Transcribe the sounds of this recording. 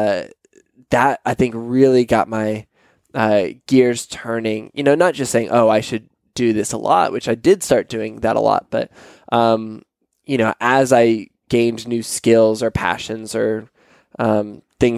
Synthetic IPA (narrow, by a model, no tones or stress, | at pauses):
ðəɾaɪθɪ̃ŋkɹɪlˠiɡɑ̰t̚maɪ | ʌɡ̥ɪɹz̥tʰɜ̃˞nɪ̃ŋjʔɨ̰noʊnət̚d̥ʒ̥ʌstseɪɪ̃ŋʔoʊaɪʃɨd̚ | ɨðɪsə̰lɔ̰ʔ̚wɨt͡ʃaɪdɪd̥stɑɹt̚d̥ʉɪ̃ŋðə̰ɾə̰lɔ̰t̚b̥ʌ̰t̚ | ʔʌ̃m | jɨñoʊʔəzaɪ | ɡ̥ẽɪ̃nnʉskɪlˠzə˞pʰæ̰ʃɨ̃nzə˞ | ʔʌ̃mθɪ̃ŋ